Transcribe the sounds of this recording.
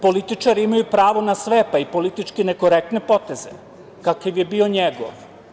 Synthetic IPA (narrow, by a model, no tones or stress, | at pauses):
po̞lit̪it͡ʃaɾiimajupɾaːʋo̞nasʋepaipo̞lit̪it͡ʃkinekoɾek̚t̪nepo̞t̪e̞zḛ | kakiʋjebioɲeɡo̰